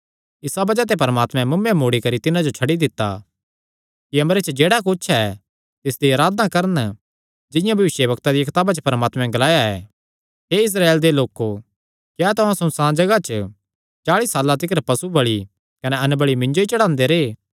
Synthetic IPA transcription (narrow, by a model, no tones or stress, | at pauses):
ɪsabɐd͡ʒat̪̬epɐɾmaːt̪mɛ̃mʊmẽmoːɽikɐɾit̪ɪnãd͡ʒot͡ʃʰɐɽid̪ɪt̪ːa̰ | kiɐmɾet͡ʃəd͡ʒeːɽakʊt͡ʃʰɛ | t̪ɪsd̪iɐɾaːd̪ãkɐɾən | d͡ʒɪ̃jãbʱɐʋɪʃjəbɐkt̪ad̪ikɪt̪aːbat͡ʃəpɐɾmaːt̪mɛ̃ɡɐlaːjaɛ̰ː | ɦeɪs̬ɾaːeːld̪eloːko | kat̪ʊãsʊ̃nsãːd͡ʒɐɡat͡ʃə | t͡ʃaːɭisaːlat̪ɪkɾpɐsubɐɭi | kɐnɛɐnbəɭimɪ̃ɲd͡ʒoit͡ʃɐɽ̃ãːnd̪eɾeː